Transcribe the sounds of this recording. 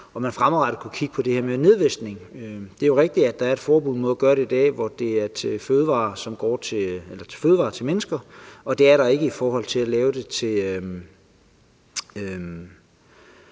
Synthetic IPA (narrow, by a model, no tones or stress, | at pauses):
ɒ̽mænfʁamʁɑɾ̥ð̩ˠkʰukʰiɡ̥əpʰɒ̽d̥e̝heɐ̰mene̝ð̞ˠʋesɡ̥ne̝ŋød̥e̝æjo̝ʁeɡ̥̚d̥i̥æd̥ɑ̈æɐed̥fɒːb̥uðˠmoðˠɐɡ̥ɶɐɾ̥e̝id̥ɛ̰ːʋɒd̥e̝æɐt͡sʰe̝føːð̞ˠʋɑ̰̈ːsɒ̽mɡ̥ɒ̰ːt͡sʰe̝elɐt͡sʰe̝̥føːð̞ˠʋɑ̈ːt͡sʰelmenəsɡ̥ɐɒ̽d̥e̝æɐɾɑ̈e̝ɡ̥əifɒːhɒ̽l̰t͡sʰe̝lælɛːʊəd̥e̝t͡sʰe̝ø | øm